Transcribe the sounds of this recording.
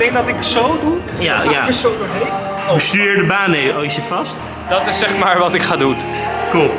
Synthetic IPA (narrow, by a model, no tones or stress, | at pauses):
ɡd̥ɛŋɡ̚dɑtɪkətsowdu | jajaəsonəe | ustyːɹɪːɹdəbaːnejoːjəzɪtfɑst | d̥ɑtɪsɛχmaːɹʋɑtɪkχaːdunkulˠ